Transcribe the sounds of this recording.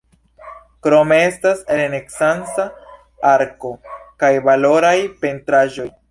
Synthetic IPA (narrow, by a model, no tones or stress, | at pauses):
kɾo̞me̞e̞staseleneksant͡sa | aɾko̞kajvalo̞ɾajpe̞ntɾaʒo̞j